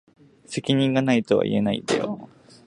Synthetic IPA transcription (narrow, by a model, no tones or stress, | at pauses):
se̞kʲiɲ̟ĩŋɡanait̪o̞βa̰ʔḭe̞naḭd̪̥ḛjo